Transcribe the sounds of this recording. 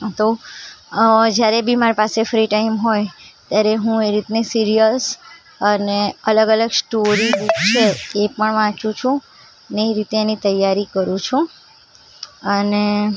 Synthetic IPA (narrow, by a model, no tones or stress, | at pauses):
t̪o | d͡ʒjaɾebimaɾpasefɾiʈaimɦojt̪jaɾeɦũeɾit̪nisiɾijəs | əneələɡələɡsʈoɾiɡukt͡ʃʰeːpəɳʋãt͡ʃũt͡ʃʰũ | neːɾit̪eenit̪əjaɾikəɾũt͡ʃʰũ | əne